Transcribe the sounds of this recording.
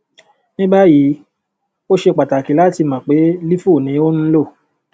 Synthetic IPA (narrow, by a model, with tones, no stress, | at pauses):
nĩ˦ba˦ji˨˦ | o˦ʃe˧k͡pa˨ta˨ki˨˦la˨˦ti˧˨mã˨k͡pe˨˦li˦fu˦˨nĩ˨˦o˦nũ˦lo˦˨